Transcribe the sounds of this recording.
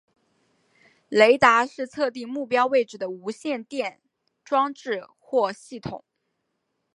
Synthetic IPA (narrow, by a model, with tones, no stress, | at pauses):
le˧˥ɪt̪a˧˥ʂɻ̩˥˧t͡sʰɤ˥˧t̪i˥˧ŋmu˥˩pjɑ˥ʊwe˥˩ɪʈ͡ʂɻ̩˨˩d̪ə˦u˧˥ɕjɛ˥˧nt̪jɛ˥˩n | ʈ͡ʂwɑ˥ŋʈ͡ʂɻ̩˥˧ | xwɔ˥˧ɕi˥˩t̪ʰʊ̰˨˩˦ŋ